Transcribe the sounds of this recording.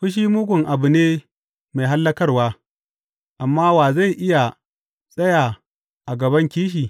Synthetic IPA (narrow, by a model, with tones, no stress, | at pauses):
ɸʊ˦ʃ̬iː˦mʊ˦ɡʷʊ˨ŋʔa˨bʊ˨neː˦ | ma˨jɦa˦lːɐ˦kɐ˦rwaː˦ | ʔa˨mːaː˦waː˨za˦˨jʔɪ˦ja˨ | sʼɐ˦jaː˨ | ʔa˨ɡɐ˨bɐ˦ŋkʲiː˦ʃ̬iː˨